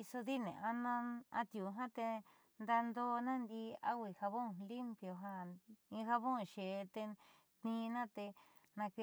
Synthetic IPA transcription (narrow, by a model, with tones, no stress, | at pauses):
i˧so˧ði˦nḛ̃˨ʔa˦nã˦a̰˧t̪ju˨ɦã˦t̪e˧ | nd̪a˧nd̪o˦nã˦nd̪i˧a˦wʷi˧˨ha˧βõ˦˨li˦mpjo˧ɦa˧ĩ˧ha˧βõ˦˨ʃe˨˧t̪e˧ | t̪nĩ˧˦˧nã˦t̪e˧ | nã˧ke˧